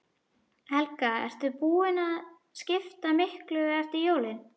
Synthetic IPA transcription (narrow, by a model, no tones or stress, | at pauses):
hɛlkaɛ̰ɾ̥t̪ʏpuːɪnað | scɪft̪amɪhklʏɛɾ̥t̪ɪjoːwlɪn